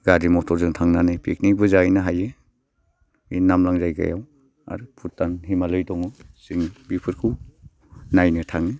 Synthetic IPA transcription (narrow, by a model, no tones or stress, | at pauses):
ɡaɾimɔtʰɔɾzɯŋtʰaŋnanɯjpʰik̚nibɯzajnɯɦaje | inamlaŋzajɡa̰ja̰w | a̰ɾpʰutːanɦimalɯjdɔŋɯsiŋbipʰɯɾkʰuw | najnɯtʰaŋɯ